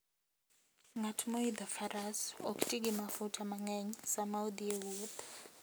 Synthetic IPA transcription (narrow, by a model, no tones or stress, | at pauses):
ŋatʰumoid̪afarasokʼu̥tʼiɡ̬ʼimafutʰamaŋɛɲisamawud̪iewud̪